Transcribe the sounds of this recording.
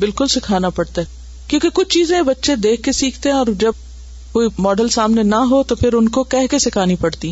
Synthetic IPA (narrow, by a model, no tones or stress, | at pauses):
bɪlkʊlsɪkʰaːnapɐɽt̪aɛ | kjõːkekʊt͡ʃʰt͡ʃiːzẽbɐtːʃẽd̪eːkʰkesiːkʰt̪eɦɛ̃ɔːɾd͡ʒɐb̚ | koːimɔːɖəlsaːmnenɐɦot̪opʰɪɾʊnkokɛɦkesɪkʰaːnipɐɽt̪i